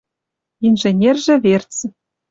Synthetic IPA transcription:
inʒĕnʲerʒĕβert͡s

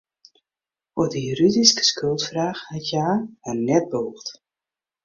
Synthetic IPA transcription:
ɔdijyɾydiskə̥skølˠtfraːxhɛtjaːənɛt̚bouxt

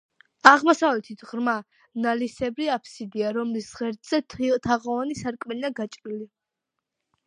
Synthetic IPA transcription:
aʁmɔsavlɛt̪ʰit̪ʰʁɾma | nalisɛbɾiapʰsid̪iaɾɔmlisʁɛɾd̪z̥ɛt̪ʰit̪ʰaʁɔvanisaɾkʼmɛniaɡat͡ʃʼɾili

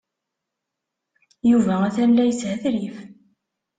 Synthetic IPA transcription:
juvææθælːæjəshæθɾif

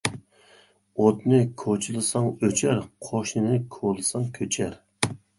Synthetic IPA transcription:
ot̪nɨkʰot͡ʃʰɨlˠɨsɑŋøt͡ʃʰæɾqʰoʃnɨnɪkʰolˠɨsɑŋkʲʰøt͡ʃʰæɾ

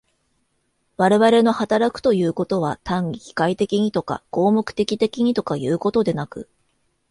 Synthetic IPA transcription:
βaɾe̞βaɾe̞no̞hat̪aɾakɯ̟̥t̪o̞jɯ̟ːko̞t̪o̞β̞at̪ãŋʲikʲi̥kait̪e̞kʲiɲ̟it̪o̞ka̰ɡ̥o̞ːmokɯ̟̥t̪e̞kʲit̪e̞kʲiɲ̟it̪o̞kajɯ̟ːko̞t̪o̞d̪e̞nakɯ̟̰

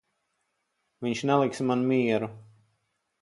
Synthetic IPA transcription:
viɲʃnɛlˠiksmanmiɛɾu

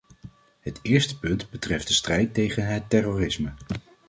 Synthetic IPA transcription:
ɦətɪːɹstə̥pɵndbətrɛfdəstrɛjtːejχənɦətːɛrorɪsmə

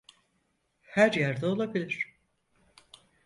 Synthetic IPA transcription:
hæɾjæɾd̪ɛo̞lˠabilʲiɾ̥

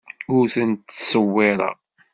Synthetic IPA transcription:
ʊɾθənt̪ːsəwːɪɾˤɑ̰

